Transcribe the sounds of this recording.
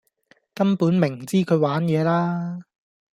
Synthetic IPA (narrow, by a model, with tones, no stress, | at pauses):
kɐ˥mpuː˨˥nmɪ˨˩ŋt͡siː˥kʰɵ˨˧ɥwaː˨˥njɛː˨˧laː˥